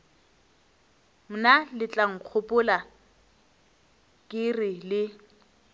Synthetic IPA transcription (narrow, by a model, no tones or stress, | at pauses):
m̩nalɪt͡ɬʼaŋ̩k͡xʰʊpʼʊla | kʼɪrɪlɪ